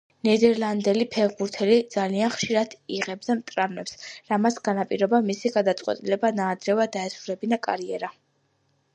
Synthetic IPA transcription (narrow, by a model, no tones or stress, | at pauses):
nɛd̪ɛɾlˠand̪ɛlipʰɛʁbuɾt̪ʰɛlid̪z̥alianχʃiɾad̪̥iʁɛb̚d̪amt̪ʼɾavlɛpsɾamasɡ̥anapʼiɾɔbamisiɡad̪at̪sʼqʼwɛ̰t̪ʼilɛbanaːd̪ɾɛvad̪aɛsuɾɛbinakʼa̰ɾiɛɾa